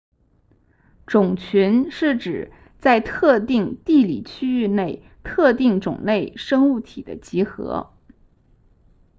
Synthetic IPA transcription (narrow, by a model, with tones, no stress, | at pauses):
ʈ͡ʂʊ˨˩ŋt͡ɕʰy˧˥nʂɻ̩˥˩ʈ͡ʂɻ̩˨˩˦ | t͡sa˥˧ɪt̪ʰɤ˥˧t̪i˥˩˧ŋt̪i˥˩lḭ˨˩t͡ɕʰy˥y˥˧ne˥˩ɪ | t̪ʰɤ˥˧t̪i˥˩ŋʈ͡ʂʊ̰˨˩ŋne˥˩ɪʂɤ˥ŋu˥˩t̪ʰi˨˩d̪ə̰˦t͡ɕi˧˥xɤ̰˧˥